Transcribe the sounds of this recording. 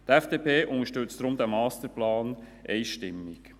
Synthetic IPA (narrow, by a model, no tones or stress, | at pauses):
t̪ɛfd̥eːpʰeːʔʊnəʃtʏt͡sd̥̪ɾʊmd̪ɛmɑːstəɾplɑːn | ʔeɪʃtɪmːɪk